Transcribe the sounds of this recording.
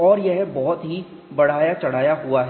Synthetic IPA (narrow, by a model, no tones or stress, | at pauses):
ɔːɾjɛɦbɔɦʊt̪ɦi | bɐɽ̤aːjat͡ʃɐɽ̤aːjaɦuaɦɛ